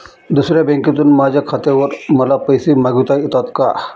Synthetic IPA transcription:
d̪usɾjabeŋkit̪unmad͡ʒakʰɐt̪eʋɐɾmɐlapəjsimaɡut̪ajit̪at̪ka

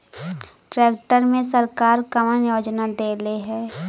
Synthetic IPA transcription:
ʈɾɛːk̚ʈəɾmẽsəɾkaːɾkəmənjoːd͡ʒnad̪eːleɦɛː

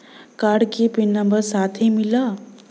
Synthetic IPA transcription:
kaɖkepinnːəmbəɾsat̪ʰemilə

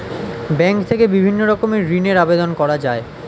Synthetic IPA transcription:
bɛŋkt̪ʰekebibʱinːoɾɔkomeɾineɾabed̪onkɔɾad͡ʑae

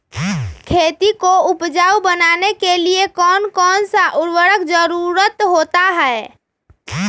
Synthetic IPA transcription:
kʰet̪ikoupd͡ʒaubənanekeliekɔːnkɔːnsaʔuɾʋəɾəkd͡ʒəɾuɾət̪ɦot̪aɦɛe

